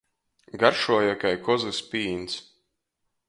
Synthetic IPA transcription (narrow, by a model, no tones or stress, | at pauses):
ɡaɾʃuɔjakajkɔzɨspiːns